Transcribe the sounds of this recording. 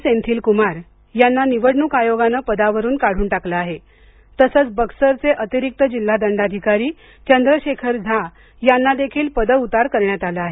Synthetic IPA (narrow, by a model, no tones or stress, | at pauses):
sẽnt̪ʰiːlkumaɾ | janːaniʋəɽɳuːkajoɡanəːpəd̪aʋəɾuːnkaɽ̤uːnʈakləaɦe | t̪əsət͡sbəksəɾt͡seʔət̪iɾik̚t̪əd͡ʑil̤ːad̪əɳɖad̪ʱikaɾiː | t͡ɕənd̪ɾəɕekʰəɾd͡zʱa | janːad̪ekʰiːlpəd̪əut̪aɾkəɾɳjat̪aləaɦe